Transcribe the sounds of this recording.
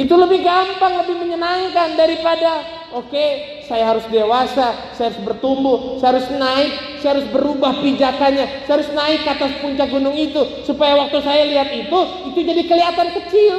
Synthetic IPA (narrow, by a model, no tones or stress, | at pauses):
it̪uləbɪhɡampaŋləbɪhməɲənaŋkandaɾipada | oke | sajaɦaɾʊsdewasasajaɾʊsbərt̪umbʊhsajaaɾʊsnaɪk̚sajahaɾʊsbəɾubahbid͡ʒakanɲasajaɾʊsnaɪkːat̪aspuɲt͡ʃak̚ɡunʊŋit̪usupajawak̚t̪usajaliɦat̪it̪u | it̪ud͡ʒadikəliɦat̪ankət͡ʃɪl